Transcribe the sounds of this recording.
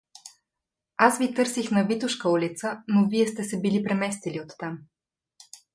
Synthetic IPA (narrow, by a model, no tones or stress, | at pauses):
asvit̪ɤɾsixnɐvit̪ʊʃkəulit̪sənoviɛst̪ɛsɛbilipɾɛmɛst̪iliot̪ːam